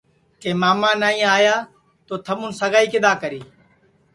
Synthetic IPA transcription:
keːmaːmãːnaːĩːaːjaː | t̪oːt̪ʰəmũːnsəɡaːiːkɪd̪aːkəɾiː

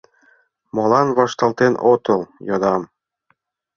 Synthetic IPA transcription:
mɑlˠɑnβɑʃt̪ɑlˠt̪enʔot̪ɤ̆lˠjɑd̪ɑm

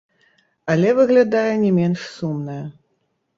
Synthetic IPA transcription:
ɐlʲɛvɨɣlʲad̪ajɛnʲɛmʲɛnʂsumnɐjɐ

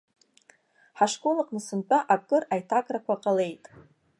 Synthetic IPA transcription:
ħaʂkʼolaqʼnɨsɨnt͡pʼaʔakʼɨrajtʰakʼrakʷʰaqʼale̞jtʼ

